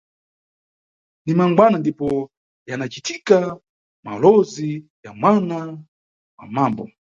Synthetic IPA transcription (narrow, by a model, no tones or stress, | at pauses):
nimaŋɡwanandipɔ | janat͡ʃitika | ma̰lɔzijamwana | wa̰mambɔ̰